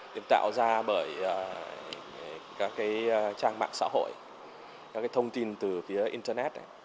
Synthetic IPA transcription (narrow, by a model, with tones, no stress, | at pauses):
ɗi˨˧˩n̚t̪a̰ː˧˨wzaː˧ɓəː˧˩jə˨˩ | kaː˦˥kːaː˨˦jt͡ɕaː˧ŋma̰ː˧˨ŋsa̰ː˧˥ɦo̰˧˨j | kaː˦˥kːt̪ʰə˧wŋ͡mt̪i˧nt̪ɨ˨˩fi˨˦əʔi˧nt̪əː˧nɛ˦˥t̚ʔ